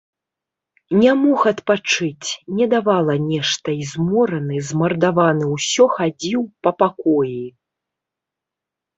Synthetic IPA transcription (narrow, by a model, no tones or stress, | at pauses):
nʲamɔxɐt̪pat͡ʂɨt͡sʲnʲɛd̪avalˠɐnʲɛʂt̪ɐizmɔɾɐnɨzmɐrd̪avanɨwsʲɔxad͡zʲiwpɐpakɔji